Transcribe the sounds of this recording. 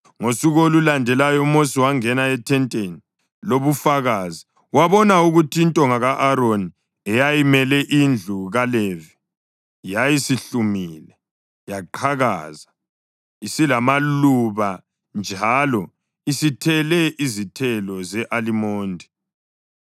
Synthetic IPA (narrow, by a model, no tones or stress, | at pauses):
ŋosuɣolulandʱɛlajɔumosiwaŋɛnaɛtʰɛntʼeni | loβufaɣaːzi | waβɔnauɣutʰiːntʼɔŋaɣaʔaɾoni | ɛjajimɛlɛʔind͡ɮʱuɣalɛvi | jajisiɬumiːlɛ | jaǃʰaɣa̰za | isilamaluβa | nd͡ʒʱalɔ | isitʰɛlɛʔizitʰɛlɔzɛʔalimoːndʱi